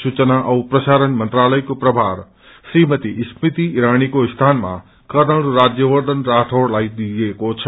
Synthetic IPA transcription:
sut͡ʃnaʔɐupɾəʃaːɾənmə̃nt̪ɾaːləjkopɾɐbʱaːɾ | sɾimət̪ismit̪iːɾaːñikost̪ʰaːnmã̰ | kəɾnəɭɾaːd͡ʒjəʋəɾd̪ənɾaːʈʰoɽlaid̪iekot͡ʃʰə

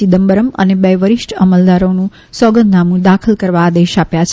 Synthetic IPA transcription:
id̪əmbəɾəmə̰nebɛjʋəɾiʃʈʰəməld̪aɾonũ | sɔɡənd̪namũd̪akʰəlkəɾʋaːd̪eʃapjat͡ʃʰ

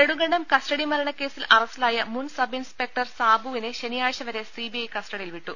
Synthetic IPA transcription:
eɽuŋɡɐɳɖɐmkɐsʈɐɽimɐlɐɳɐkːe̞ːsilɐrɐsilaːjɐmunsɐbinspe̞k̚ʈɐrsaːbʱuʋineɕenijaːjɕɐʋɐɾe̞sibiɐjkɐsʈɐɽijilʋiʈːu

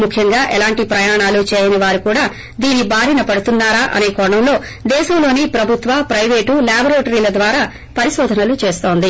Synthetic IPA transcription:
mukʰjɐŋɡaːʔɛlaːɳʈipɾɐjaːɳaːlut͡ʃɛːjɐnɐʋaːɾukuːɽaː | d̪iːnibaːɾinɐpɐɽut̪unːaːɾaːʔɐ̰ne̞ːkɔɳɐmlo̞ː | d̪ɛːʃɐmlo̞ːnipɾɐbʱut̪ʋɐpɾɐjʋe̞ːʈulaːbɐɾeːʈɐɾiːlɐd̪ʋaːɾaː | pɐɾiʃoːd̪ʱɐnɐlut͡ʃe̞ːst̪o̞ːnd̪i

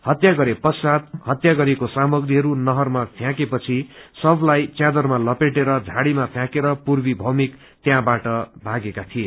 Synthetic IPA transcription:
hʌt̪jaɡʌɾepʌsad̪hʌt̪jaɡʌɾekosamʌɡriɦʌɾunʌɦʌrmapʰjãkepʌt͡sʰisʌblajt͡sjad̪ʌrmalʌpeʈeɾʌd͡zʱaɽimapʰjãkeɾʌpurbibʱʌmik | t̪jãbaʈʌbʱaɡekat̪ʰije

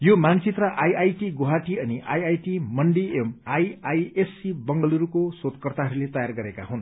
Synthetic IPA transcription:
jomant͡sit̪rʌʔajajʈiɡoɦaʈiʌniʔa̰jajʈimʌɳɖiemajajesːibʌŋɡʌluɾukosot̪kʌrt̪aɦʌɾulet̪ʌjarɡʌɾeka̰ɦun

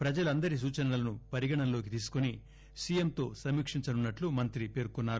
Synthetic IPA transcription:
pɾɐd͡ʒɐluɐnd̪ɐɾis̬uːt͡ʃɐnɐlɐlɐnupɐɾiɡɐɳɐnlo̞ːk̬it̪iːsu̥kuni | sijemt̪o̞ːsɐmikʂiɲt͡ʃɐnunːɐʈlumɐnt̪ɾipe̞ːɾkunːaːɾu

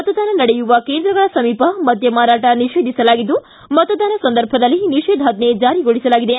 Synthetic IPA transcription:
ɐt̪ɐd̪aːnɐnɐɽɛjuʋɐkeːnd̪ɾɐɡɐɭɐsɐmiːpɐmɐd̪ʱjɐmaːɾaːʈɐniʂeːd̪ʱisɐlaːɡid̪ːu | mɐt̪ɐd̪aːnɐsɐnd̪ɐɾbʱɐd̪ɐlːiniʂeːd̪ʱaːd̪ned͡ʒaːɾiɡoɭisɐlaːɡid̪e

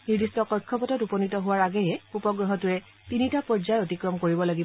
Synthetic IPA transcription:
niɹdistɔkɔɹkʰːɔpɔtɔtupɔnitɔɦʊwaɹaɡɛjɛupɔɡɹɔɦɔtuɹɛ | tinitapɔɹzajotikɹɔmkoɹibɔlaɡib

